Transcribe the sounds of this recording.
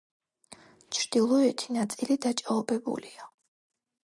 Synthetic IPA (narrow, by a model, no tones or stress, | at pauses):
t͡ʃʰɾd̪̥ilˠɔɛt̪ʰinat̪sʼilid̪at͡ʃʼaɔbɛbṵlia